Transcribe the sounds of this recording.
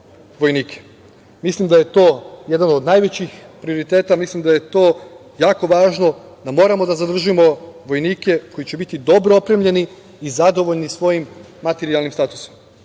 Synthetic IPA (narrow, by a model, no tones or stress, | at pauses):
ʋo̞jniːkʰe̥ | mislimd̪aje̞t̪o̞ːje̞d̪ano̞d̪naːjʋet͡ɕixpɾio̞ɾit̪e̞ːt̪amislimd̪aje̞t̪o̞ː | jaːko̞ʋaːʒno̞ | d̪amo̞ːɾamo̞d̪azad̪r̩ʒujemo̞ʋo̞jniːke̞ko̞jit͡ɕe̞bit̪id̪o̞bɾoopɾe̞mʎe̞niː | zad̪o̞ʋo̞ʎnisʋo̞jimː | at̪e̞ɾialnimst̪aːt̪uso̥m